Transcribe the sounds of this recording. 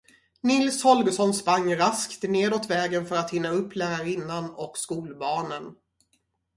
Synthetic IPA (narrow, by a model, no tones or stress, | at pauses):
nɪlshɔlɡəsɔnspaŋːɾaskt̪neːd̪oːt̪vɛːɡənfœɾat̪hɪnːaɵpːlæːɾaɾɪnːanɔkskuːlbɑːnən